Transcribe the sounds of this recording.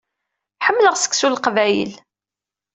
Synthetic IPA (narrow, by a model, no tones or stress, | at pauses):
ħəmːləʁsə̥kːsulqvæjə̰l